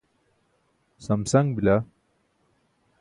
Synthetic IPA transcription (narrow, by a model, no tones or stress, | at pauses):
sɐmsɐŋbila